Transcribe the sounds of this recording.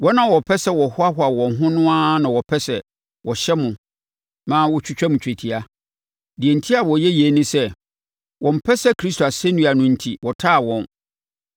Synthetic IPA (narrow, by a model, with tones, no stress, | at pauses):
wɔ˦nã˨wɔ˨pʰɛ˦sɛ˦wɔ˨hʊ˦a˦ɦʊ˦a˨wɔ̃˨nɦʊ̃˦nʊ̃˦a˦nã˨wɔ˨pʰɛ˦sɛ˨ | wɔ˨ɕɛ˦mʊ̃˨ | mãː˦wɔ˦t͡ɕʰᶣu˦t͡ɕᶣɛ˦mʊ̃˨t͡ɕʰᶣe˨tʰi˨a˦ | di˨e˨n˨tʰi˦a˨wɔ˨jɛ˦je˨˦nʊ̃˦sɛ˦ | wʔɔ̃˨m̩˨pʰɛ˦sɛ˦kʰɾi˦s̬tʰo˨a˨sɛ˦nũ˦˨a˨nʊ̃˦n̩˨tʰi˦wɔ˨tʰa˦˨wɔ̃˨n